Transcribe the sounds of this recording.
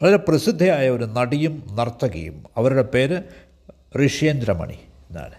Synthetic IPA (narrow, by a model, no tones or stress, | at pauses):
ɐðiɾeprɐsid̪ʱːɐjaːjɐo̞ɾunɐɽijumnɐrt̪ːɐɣɐ̰jṵmɐʋɐɾuɽe̞pe̞ːɾɨ | riʂjɐnd̪ɾɐmɐ̰ɳḭ | enːa̰ːl